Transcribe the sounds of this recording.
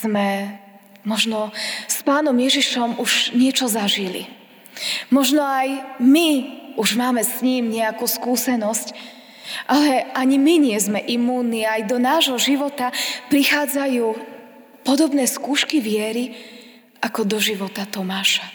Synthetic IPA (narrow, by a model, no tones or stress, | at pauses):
z̥mɛ | mɔʒnɔspaːnɔmjɛʒiʃɔmuʒɲɪɛt͡ʃɔzaʒilḭ | mɔʒnɔajmiuʒmaːmɛsɲiːmɲɛakuːskuːsɛnɔsc | ʔalɛaɲimiɲɪɛzmɛʔimːuːnːiajd̪ɔnaːʒɦɔʒiʋɔt̪apɾixaːd͡zajuː | pɔd̪ɔbnɛːskuːʃkiʋɪɛɾi | ʔakɔd̪ɔʒiʋɔt̪at̪ɔmaːʃa